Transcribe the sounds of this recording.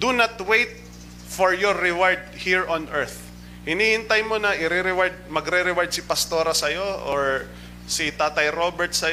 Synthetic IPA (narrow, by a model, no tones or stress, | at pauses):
d̪unɐt̪wejt̪̚ | fɔɹjɔːɪwaɹd̪̚hiɹʔɔnʔɛɹθ | hɪniːhɪnt̪ajmonɐʔɪɾɛɾɛwaɹd̪̚mɐɡɾɛɾɛwaɹd̪̚sɪpɐst̪o̞ːɾɐsɐjo̞ʔoɹ | sɪt̪aːt̪ɐjɾobɛɹt̪sɐj